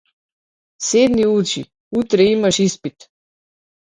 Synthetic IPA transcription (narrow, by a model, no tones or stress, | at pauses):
sed̪niut͡ʃi | ut̪ɾɛimaʃispit̪